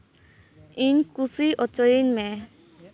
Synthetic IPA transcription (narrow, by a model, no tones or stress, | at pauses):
inkusiʔɔt͡ʃɔjinmɛ